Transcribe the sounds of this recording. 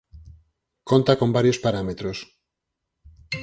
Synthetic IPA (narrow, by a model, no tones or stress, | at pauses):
ko̞nt̪ako̞mbaɾjo̞spaɾamet̪ɾos